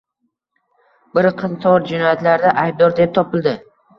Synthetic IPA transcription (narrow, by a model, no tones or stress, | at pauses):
bɪɾqʰɨnt̪ʰɒɾd͡ʒɪnɔjat̪laɾd̪aʔajb̚d̪ɒɾd̪ep̚t̪ʰɒpɪlˠd̪ɪ